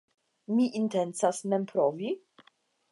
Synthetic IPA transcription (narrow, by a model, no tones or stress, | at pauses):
miʔintensasmɛmpɾovi